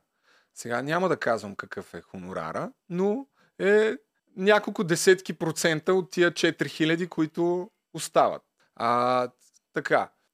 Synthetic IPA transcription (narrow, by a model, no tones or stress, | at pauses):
sɛɡanʲaməd̪ɐkazvəmkɐkɤfɛxʊnʊɾa̰ɾə | no | ɛ | nʲakolˠkʊd̪ɛsɛt̪kʲipɾot̪sɛnt̪əot̪ːijət͡ʃɛt̪ɾixilʲɐd̪ikoit̪ʊ | ʊst̪avə̰t̪̚ | a | t̪ɐka